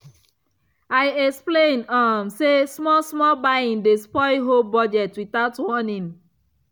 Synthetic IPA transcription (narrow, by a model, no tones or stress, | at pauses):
aɪɛksplẽnamsesmɔsmɔbajĩndespɔɪɦobɔd͡ʒɛtwitaʊtwɔnĩn